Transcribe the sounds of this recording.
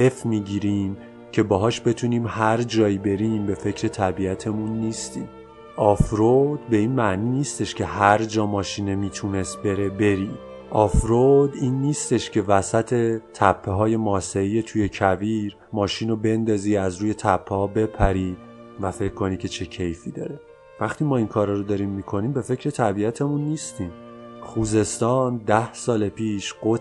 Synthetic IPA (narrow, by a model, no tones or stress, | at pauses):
ʔe̞fmiːɟiːɾiːm | cʰe̞bɒːɦɒːʃbe̞t̪ʰuniːmhæɾd͡ʒɒːibe̞ɾimbe̞fe̞cʰɾe̞t̪ʰæbiæt̪ʰe̞munːiːst̪iːm | ʔɒːfɾod̪̥be̞iːnmæʔniːniːst̪e̞ʃcʰe̞ɦæɾd͡ʒɒːmɒːʃiːnemiːt̪ʰune̞st̪be̞ɾebe̞ɾiː | ʔɒːfɾod̪iːnːiːst̪e̞ʃcʰe̞væsæt̪ʰe̞t̪ʰæpʰːeɦɒːjemɒːseɾiːjet̪ʰuje̞cʰæviːɾ | mɒːʃiːnobe̞nd̪ɒːziːæzɾuːje̞t̪ʰæpʰːehɒːbe̞pʰæɾiː | væfe̞cʰːkʰːo̞nicʰe̞t͡ʃʰe̞cʰe̞jfiːd̪ɒ̰ːɾe̞ | væχt̪ʰiːmɒːiŋkʰɒːɾɒːɾod̪ɒːɾiːmːikʰo̞niːmbe̞fe̞cʰɾe̞t̪ʰæbiæt̪ʰemunːiːst̪iːm | χuːze̞st̪ɒːnd̪æhsɒːlepʰiːʃɢ̥o